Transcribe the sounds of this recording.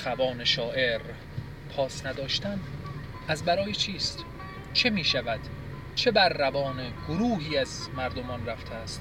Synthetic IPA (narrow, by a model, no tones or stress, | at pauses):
xævɒːne̞ʃɒːʔe̞ɾ | pʰɒːsnæd̪ɒːʃt̪ænd̪ | æzbæɾɒːjet͡ʃʰiːst̪ | t͡ʃʰe̞miːʃævæd̪̥ | t͡ʃʰe̞bæɾːævɒːneɡ̥oɾuːɦiːæzmæɾd̪omɒːnræft̪ʰeæst̪